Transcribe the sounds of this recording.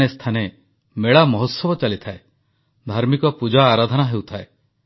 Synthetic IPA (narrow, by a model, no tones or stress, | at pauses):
est̪ʰane | meɭamɔɦɔt̪sɔbɔt͡ʃalit̪ʰae | d̪ʱaɾmikɔpud͡ʒaːɾad̪ʱɔnaɦewt̪ʰae